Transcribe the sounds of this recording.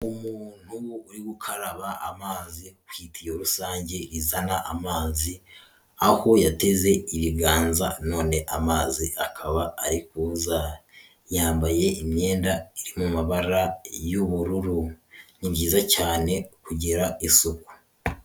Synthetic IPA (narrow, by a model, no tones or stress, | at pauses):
umuːn̥huːɾiɡukʰaɾaβaʔa̰maːzikwiːtijoɾusaːɲɟe̞ɾizanaʔamaːzi | aho̞jate̞ze̞iβiɡaːnza̰no̞ːne̞ʔamaːziakʰaβaaɾikuza | jaːmbaje̞ʔimɲe̞ːndaiɾimumaβaɾajuβuɾuɾuniβɟiːzacaːne̞kuɟiɾaisuko̥